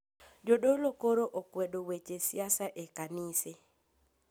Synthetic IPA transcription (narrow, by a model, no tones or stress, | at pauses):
d͡ʒodolokoɾoʔokwedowet͡ʃesjasaʔekanise